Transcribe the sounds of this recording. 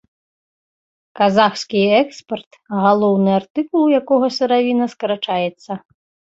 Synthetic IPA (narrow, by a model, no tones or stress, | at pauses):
kazaxskʲiɛkspɛrt̪ɣalˠɔwnɨart̪ɨkulˠjakɔɣɐsɨɾavʲinɐskɐɾat͡ʂajɛt̪sːɐ